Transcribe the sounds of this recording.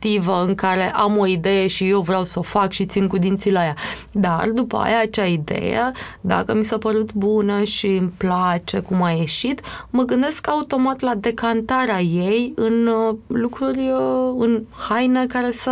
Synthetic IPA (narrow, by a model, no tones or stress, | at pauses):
t̪ivəɨŋkaɾe̞ʔamo̞id̪e̞jeʃije̞wvɾeawsəofakʃit̪sinkud̪int̪silaja | d̪a̰rd̪upə̰a̰jaːt͡ʃaid̪e̞̰jə̰d̪a̰kəmisapəɾut̪bunəʃimplat͡ʃe̞kumaje̞ʃit̪məɡɨnd̪e̞skaut̪o̞mat̪lad̪e̞kant̪aɾeaje̞jɨnlukɾurʲɨnhajnekaɾe̞sə